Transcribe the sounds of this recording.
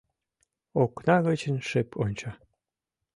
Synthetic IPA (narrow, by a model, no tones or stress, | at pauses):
oknɑɣət͡ɕənʃepʰonʲt͡ɕɑ